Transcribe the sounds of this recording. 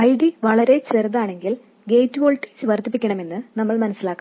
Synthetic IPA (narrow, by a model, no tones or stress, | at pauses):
ɐjɖiʋɐɭɐɾe̞t͡ɕerɐðaːɳe̞ŋɡil | ɡe̞ːjtːuʋoːɭʈːi̥sɨʋɐrt̪ːip̬ːikʲːɐɳɐme̞nːɨnɐmːɐɭmɐnɐsːilaːkː